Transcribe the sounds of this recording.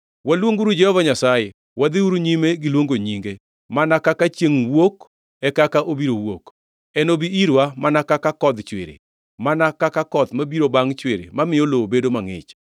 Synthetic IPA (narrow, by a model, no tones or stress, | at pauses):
walwoŋɡuɾud͡ʒɛhɔvaɲasaje | wad̪ɪuɾuɲimeɡɪlwoŋɡoɲiŋɡe | manakakat͡ʃeŋwok | ɛkakaʔobiɾowok | ɛnobiiɾwamanakakakɔd̪t͡ʃwḛɾḛ | manakakakɔt̪mabiɾobaŋt͡ʃweɾḛmamɪolobedomaŋɪ̰t͡ʃ